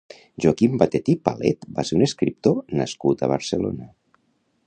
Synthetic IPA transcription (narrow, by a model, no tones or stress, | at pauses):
ʒuakimbat̪et̪ipalɛ̰t̪baseɾuneskɾip̚t̪onəskut̪əβ̞əɾsəlo̰nə